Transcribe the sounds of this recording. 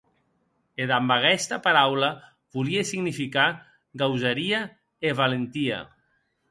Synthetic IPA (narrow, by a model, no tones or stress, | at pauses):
eðambaɣɛst̪apaɾawla | βuliesiɣnifika | ɣawzaɾia | eβalent̪ia̰